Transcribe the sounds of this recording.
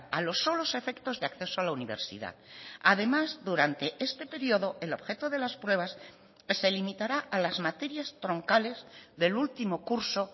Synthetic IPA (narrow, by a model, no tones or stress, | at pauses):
alo̞sːo̞lo̞se̞fe̞kt̪o̞zðeakθe̞soalauniβ̞e̞̰ɾsḭða̰ðaðe̞mazðuɾant̪e̞ʔe̞st̪e̞pe̞ɾioðo̞ʔe̞lo̞βxe̞t̪oð̞e̞laspɾwe̞β̞as | se̞limit̪aɾaʔalazmat̪e̞ɾjast̪ɾo̞ŋkale̞zðe̞lult̪imo̞kuɾso̞